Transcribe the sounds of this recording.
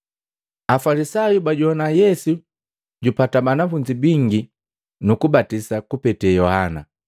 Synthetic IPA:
afalisajubaɟuɔnajɛsu | ɟupatabanafuɲd͡ʒibiŋɡi | nukubatisakupɛtɛjɔhana̰

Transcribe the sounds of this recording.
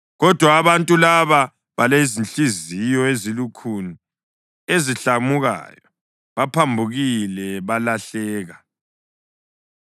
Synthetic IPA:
ɣɔd̥ʱwaːβantʼulaβa | βalezint͡ɬʼizijɔezilukʰuni | eziɬamuɣa̰jɔ | βapʰambʱuɣilɛβalaɬɛːɣa

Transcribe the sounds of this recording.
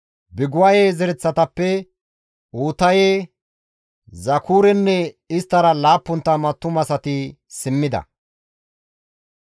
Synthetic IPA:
bɪɡʊwɐjeːzɛɾɛt͡sːɐt̪ɐpːɛ | uːt̪ɐjeː | zɐkʰuːɾɛnːɛ | ɪst̪ːɐɾɐlaːpːʊnt̪ːɐmɐt̪ːʊmɐsɐt̪ɪ | sɪmːɪd̪ɐ̰

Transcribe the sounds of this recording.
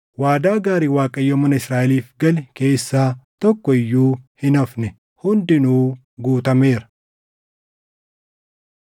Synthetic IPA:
waːd̪aːɡaːɾiːwaːkʼɐjːɔmɐnɐɪsɾaːʔɛliːfɡɐlɛke̞ːsːaːt̪ɔkːɔɪjːuːhɪnɐfnɛ | hʊnd̪ɪnuː | ɡuːt̪ɐme̞ːɾɐ̥

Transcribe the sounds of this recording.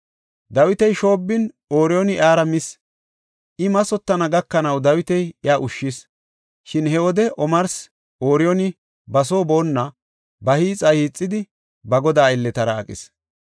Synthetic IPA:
d̪ɐwɪt̪ɛjʃo̞ːbːɪn | o̞ːɾɪjɔnɪʔaːɾɐmɪs | ʔɪmɐsɔt̪ːɐnɐɡɐkːɐnɐwd̪ɐwɪt̪ɛjɪaːʔʊʃːɪs | ʃɪnhɛwɔd̪ɛʔɔmɐɾs | ʔoːɾɪjɔnɪ | bɐs̬o̞ːbo̞ːnːɐ | bɐhiːt͡sʼɐhiːt͡sʼːɪd̪ɪ | bɐɡɔd̪aːɪlːɛt̪ɐɾɐːkʼɪ̰s

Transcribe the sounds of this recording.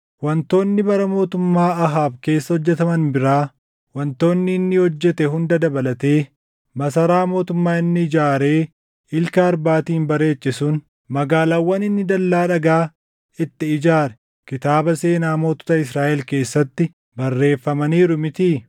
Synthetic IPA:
wɐnt̪o̞ːnːɪbɐɾɐmo̞ːt̪ʊmːaːɐɦaːbke̞ːsːɐhɔd͡ʒːɛt̪ɐmɐnbɪɾaː | wɐnt̪o̞ːnːɪːnːɪhɔd͡ʒːɛt̪ɛɦʊnd̪ɐd̪ɐbɐlɐt̪e̞ː | mɐsɐɾaːmo̞ːt̪ʊmːaːɪnːɪɪd͡ʒaːɾe̞ː | ɪlkɐːɾbaːt̪iːnbɐɾe̞ːt͡ʃːɪsʊn | mɐɡaːlawːɐnɪnːɪd̪ɐlːaːᶑɐɡaː | ɪt̪ːɪːd͡ʒaːɾɛ̥ | kɪt̪aːbɐse̞ːnaːmo̞ːt̪ɔ̥t̪ɐɪsɾaːʔɛlke̞ːsːɐt̪ːɪ | bɐrːe̞ːfːɐmɐniːɾʊmɪt̪iː

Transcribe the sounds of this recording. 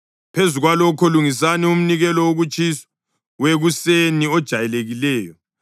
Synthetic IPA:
pʰezuɣwalɔkʰɔluŋis̬anium̩niɣɛlɔwoɣut͡ʃʼisɔ̥ | weɣuseniɔd̥ʒ̥ʱajɛleɣilɛːjɔ

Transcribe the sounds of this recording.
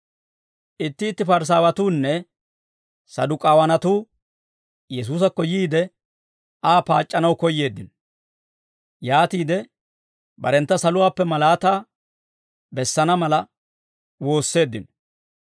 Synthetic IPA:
ʔɪt̪ːɪːt̪ːɪfɐɾs̬aːwɐt̪uːnːɛ | sɐ̰d̪ʊkʼaːwɐnɐt̪uː | jɛs̬uːs̬ɐkːɔjiːd̪ɛ | ʔaːpaːt͡ʃʼːɐnɐwkɔjːe̞ːd̪ːɪnɔ | jaːt̪iːd̪ɛ | bɐ̰ɾɛnt̪ːɐsɐlʊwaːpːɛmɐlaːt̪aː | bɛsːɐnɐmɐlɐ | wo̞ːsːe̞ːd̪ːɪnɔ

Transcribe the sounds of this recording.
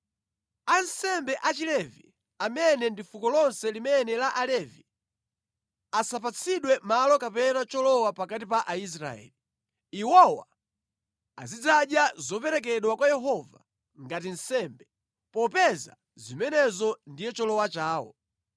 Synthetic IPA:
ansɛmbɛʔat͡ʃilɛvi | amɛnɛndifukɔlɔnsɛlimɛnɛlaʔalɛvi | asap̬at͡sʰiɗwɛmalɔkapɛnat͡ʃɔlɔwapakatipaʔais̬ɾa̰ɛ̰li | iwɔwa | a̰zid͡zaɗjazɔpɛɾɛk̬ɛɗwakwajɛɦɔva̰ | ŋɡat̬in̩sɛmbɛ | pɔpɛza̰ | zimɛnɛzɔndijɛt͡ʃɔlɔwat͡ʃaːwɔ̰

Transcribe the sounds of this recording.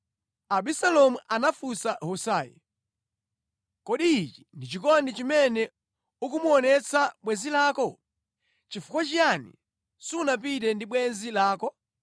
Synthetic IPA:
aɓisalɔmuʔanafusahusaːjɛ̰ | kɔɗiːt͡ʃi̥ndit͡ʃikɔndit͡ʃimɛnɛ | uk̬umuɔnɛt͡sʰaɓwɛzilaːkɔ | t͡ʃifu̥kwat͡ʃianḭ | sunap̬it̬ɛndiɓwɛnzilaːkɔ

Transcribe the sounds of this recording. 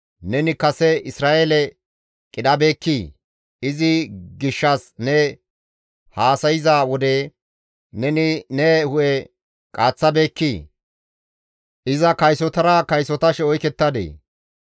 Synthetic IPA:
nɛnɪkɐsɛɪsɾaːʔeːlɛ | kʼɪɗɐbe̞ːkːiː | ɪzɪɡɪʃːɐsnɛ | haːsɐjɪzaːwɔd̪e | nɛnɪnɛhʊʔɛ | kʼaːt͡sːɐbeːkːiː | ʔɪzɐkɐjsɔt̪ɐɾɐkɐjsɔt̪ɐʃɛɔjkɛt̪ːɐd̪ḛː

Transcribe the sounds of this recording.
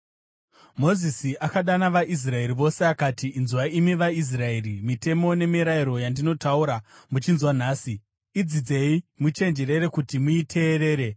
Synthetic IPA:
mo̞zisiʔakaɗanaʋaʔis̬rae̞ɾiʋo̞se̞akatiːnzuʋaimiʋais̬rae̞ɾimite̞mo̞ne̞miɾaiɾo̞jandino̞tauɾamut͡ʃinzwan̤aːsiː | d͡zid͡ze̞imut͡ʃe̞nd͡ʒe̞ɾe̞ɾe̞kutimuitʰe̞ːɾe̞ːɾe̞

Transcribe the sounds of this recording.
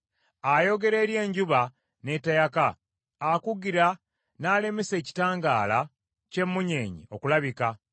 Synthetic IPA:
ajo̞ɡe̞ɾe̞ːɾje̞ːɲɟuβa | ne̞tajakaː | kuɡiɾa | naːle̞mese̞ːci̥taːŋɡaːla | ce̞mːuɲeːɲḭo̞kulaβika

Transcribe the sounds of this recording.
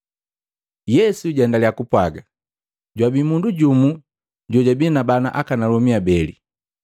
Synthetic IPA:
jɛsuɟɛndalijakupwaɡa | ɟwabimunduɟumu | ɟɔɟabinabanaʔakanalɔmiabɛlḭ

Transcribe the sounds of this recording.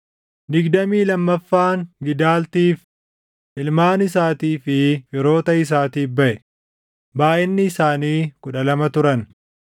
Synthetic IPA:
d̪ɪɡd̪ɐmiːlɐmːɐfːaːŋɡɪd̪aːlt̪iːf | ʔɪlmaːnɪsaːt̪iːfɪfɪɾo̞ːt̪ɐɪs̬aːt̪iːfbɐʔɛ | baːʔɪnːɪːsaːniːkʊᶑɐlɐmɐt̪ʊɾɐn

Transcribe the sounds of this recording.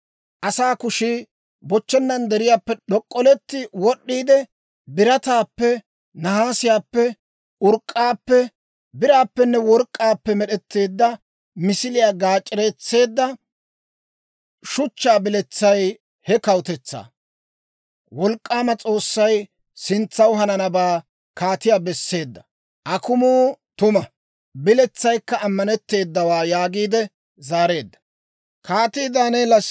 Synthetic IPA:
ʔɐsaːkʊʃi | bɔt͡ʃːɛnːɐnd̪ɛɾɪjaːpːɛɗɔkʼːɔlɛt̪ːɪwɔɗːiːd̪ɛ | bɪɾɐt̪aːpːɛ | nɐɦaːsɪjaːpːɛ | ʊɾkʼːaːpːɛ | bɪɾaːpːɛnːɛwɔɾkʼːaːpːɛmɛɗɛt̪ːe̞ːd̪ːɐ | mɪsɪlɪjaːɡaːt͡ʃʼːɪɾeːt͡sːe̞ːd̪ːɐ | ʃʊt͡ʃːaːbɪlɛt͡sːɐj | hɛkɐwʊt̪ɛt͡sːa̰ː | wɔlkʼːaːmɐt͡sʼo̞ːsːɐj | sɪnt͡sːɐwɦɐnɐnɐbaː | kʰaːt̪ɪjaːbɛsːe̞ːd̪ːɐ̥ | ʔɐkʊmuːt̪ʊmɐ | bɪlɛt͡sːɐjkːɐːmːɐnɛt̪ːe̞ːd̪ːɐwaːjaːɡiːd̪ɛ | zaːɾe̞ːd̪ːɐ̥ | kaːt̪iːd̪aːneːlɐ

